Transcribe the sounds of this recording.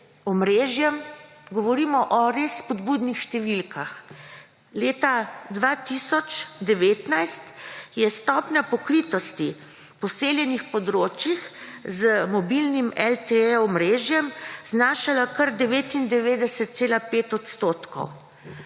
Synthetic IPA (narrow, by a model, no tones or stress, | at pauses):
ɔmɾeːʒjɛmɡɔʋɔɾiːmɔʔɔɾesːpɔd̪buːd̪nixʃt̪ɛʋilkʰax | leːt̪ad̪ʋat̪isɔt͡ʃd̪ɛʋeːt̪najst̪jɛst̪ɔːpnʲapɔkɾiːt̪ɔst̪i | pɔseːljɛnixpɔd̪ɾoːt͡ʃjixzəmɔbilnimɛlt̪ɛɛɔmɾeːʒjɛmznaːʃalakəɾd̪ɛʋeːt̪ind̪ɛʋeːd̪ɛsɛt̪̚seːlapeːt̪ɔt̪st̪oːt̪kɔ̰w